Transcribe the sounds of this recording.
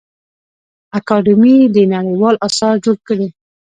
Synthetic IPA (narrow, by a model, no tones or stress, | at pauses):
akɑɖɪmid̪ənaɽajwɑlʔasɑɾd͡ʒoɽkəɽe